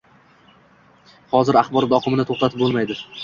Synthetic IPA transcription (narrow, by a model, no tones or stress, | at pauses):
hɒzɪɾaχbɒɾd̪ɒqʰɨmɪnɪt̪ʰoχt̪at̪ʰɪp̚bolˠmajd̪ɪ